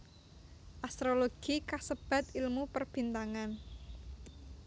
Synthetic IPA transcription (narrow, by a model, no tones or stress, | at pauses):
ʔast̪ɾoloɡ̥ikasəb̥a̤t̪ilmupərb̥i̤nt̪aŋan